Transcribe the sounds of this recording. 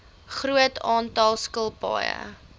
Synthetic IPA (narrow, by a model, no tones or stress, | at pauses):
χruətʰɑːntɑlˠskəlˠpɑ̰ːjə̰